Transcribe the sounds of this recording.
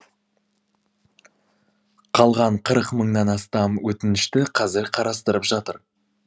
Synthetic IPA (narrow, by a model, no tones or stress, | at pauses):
qʰɑlˠʁɑɴqʰəɾəqməɴnɑnɑst̪ɑmwɵt̪ɪnɪʃt̪ɪqʰɑzɪɾqʰɑɾɑst̪əɾəpʒɑt̪əɾ